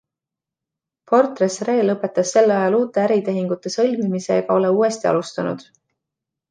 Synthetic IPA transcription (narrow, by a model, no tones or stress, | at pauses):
po̞rt̪resre̞ːlɤpːˑe̞t̪ːˑɑsːe̞lːɑjɑluːt̪ˑːe̞æɾit̪e̞ɦiŋɡ̥ut̪ˑːe̞sɤ̞lʲmimise̞̰ɡ̥ɑo̞le̞uːe̞st̪iɑ̰lust̪ɑnṵd̪̥